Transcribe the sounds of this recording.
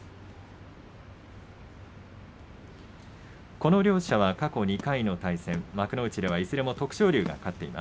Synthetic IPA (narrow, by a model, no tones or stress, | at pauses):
ko̞no̞ɾʲo̞ːɕɕaβakako̞ɲ̟ikaino̞t̪aisẽ̞mmakɯ̟no̞ɯ̟t͡ɕid̪e̞βaizɨɾe̞mo̞t̪o̞kɯ̟̥ɕo̞ːɾʲɨːɡa̰kat̪ːe̞̰ḭmʔa̰s